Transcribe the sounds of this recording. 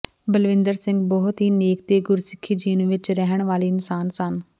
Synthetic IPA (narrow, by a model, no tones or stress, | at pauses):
bəlʋɪ̃nd̪əɾsɪ̃ŋɡbɔɦʊt̪ɦiːneːk̚t̪eːɡʊɾsɪkʰːiːd͡ʒiːnũʋɪt͡ʃɾɛɦəɳ̃ʋaːliːɪnsaːnsən